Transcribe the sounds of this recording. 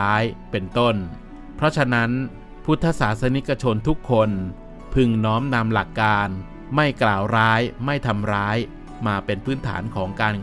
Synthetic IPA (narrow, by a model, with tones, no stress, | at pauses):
jpe˧nt̪o˥˩n | pʰɾɔ˦˥t͡ɕʰa˧na˦˥n | pʰu˥˩t̪ʰːa˦˧˥saː˩˦t̪̚sa˧ni˦˥kːa˧t͡ɕʰo˧nt̪ʰu˦˥kʰːo˧n | pʰɯ˧˩ŋnɔː˦˥mna˧mla˨˩kːaː˧n | ma˥˩jklaː˨˩wɾaː˦˥jma˥˩jt̪ʰa˧mɾaː˦˥j | maː˧pe˧npʰɯː˦˥nt̪ʰa̰ː˩˦nkʰɔː˩˦ŋkaː˧n